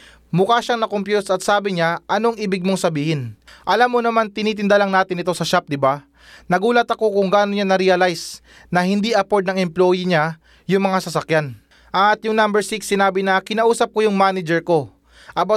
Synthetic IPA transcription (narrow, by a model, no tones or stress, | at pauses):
mʊkaːʃaŋnɐkompjusɐt̪̚saːbɪɲaʔɐno̞ŋɪbɪɡ̚moŋsɐbiːhɪnʔɐlamːonɐmant̪ɪniːt̪ɪnd̪ɐlaŋnaːt̪ɪnɪt̪o̞sɐʃap̚d̪ɪba | nɐɡuːlɐt̪ɐko̞kʊŋɡaːnoɲanɐɾiɐlajs | nɐhɪnd̪iʔɐko̞ɹd̪̚nɐŋɛmplojiɲa | jʊŋmɐŋasɐsɐkjan | ʔat̪jʊŋnambɛɹsɪksːɪnaːbɪnɐkɪnɐʔuːsɐp̚kojʊŋmaːnɪd͡ʒɛɹko̞ | ʔɐba